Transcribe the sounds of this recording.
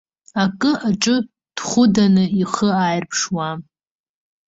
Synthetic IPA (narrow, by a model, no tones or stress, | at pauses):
akʼɨʔaʈ͡ʂʼɨ | d̥χʷʊdanɨiχəajrpʰʂwa